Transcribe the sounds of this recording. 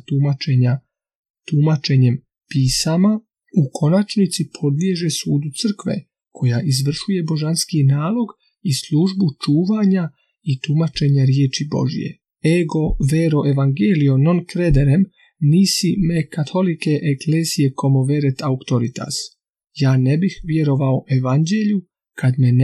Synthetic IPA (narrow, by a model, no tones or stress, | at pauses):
t̪umat͡ʃe̞ɲa | t̪umat͡ʃe̞ɲe̞m | piːsama | ukʰo̞nat͡ʃnit̪sipʰo̞d̪ʋje̞ʒe̞suːd̪ut̪sɨr̩kʋe̞̰ | kʰo̞jaʔizʋr̩ʃuje̞bo̞ʒanskinaːlˠo̞ɡ | islˠuʒbut͡ʃuːʋaɲa | it̪umat͡ʃe̞ɲaɾjeːt͡ʃibo̞̰ʒḭjḛ | eɡo̞ʋeɾo̞ʔe̞ʋaŋɡeːlio̞no̞nkɾed̪eɾem | niːsimekat̪ʰo̞like̞ʔekle̞ːzije̞ko̞mo̞ʋeɾet̪aukt̪o̞ɾit̪a̰s | jaːnebixʋje̞ɾo̞ʋao̞ʔe̞ʋand͡ʑe̞ʎu | kʰad̪men